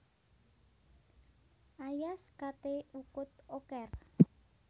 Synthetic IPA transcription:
ʔajaskat̪eukʊt̪̚okɛr

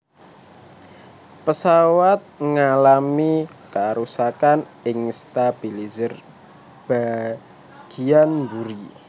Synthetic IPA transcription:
pəsawat̪̚ŋalami | kaɾusakan | ɪŋst̪ab̥ilizər | b̥a | ɡ̥ianmbuɾi

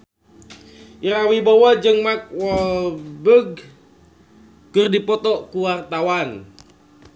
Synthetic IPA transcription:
ʔiɾawibowad͡ʒɨŋmak̚wɔllbəɡ̚ | kɨrdipɔt̪ɔkuwart̪awan

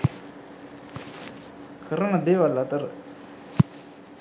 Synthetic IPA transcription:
kʰaɾaŋlad̪ewalat̪ar

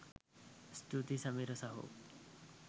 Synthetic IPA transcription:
st̪ut̪isamiɾɔsaɦo̰

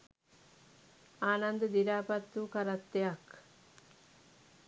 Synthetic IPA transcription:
aːnɐnd̪əd̪iɾaːpɐt̪ːuːkaɾɐt̪ːeɐk

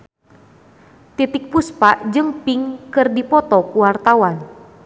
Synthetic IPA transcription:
t̪it̪ik̚puspaʔd͡ʒɨŋpiŋkɨrdipɔt̪ɔkuwart̪awan

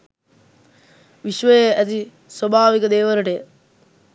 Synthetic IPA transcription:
ʋiʃʋəjeæt̪i | swobʱaːʋikɐd̪eːʋəɾəʈe

